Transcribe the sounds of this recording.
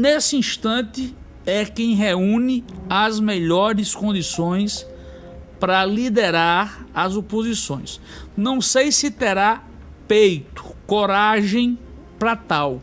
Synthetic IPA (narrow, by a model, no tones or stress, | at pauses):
nesɪĩʃt̪ɐ̃t̪ɪ | ɛkẽj̃ɦeũnɪazmeʎɔɾɪskõd̪isõj̃s | pɾɐlid̪eɾaɾɐzopozisõj̃s | nɐ̃w̃sejsɪt̪ɛɾa | pejt̪ʊ̥koɾaʒẽj̃ | pɾɐt̪aw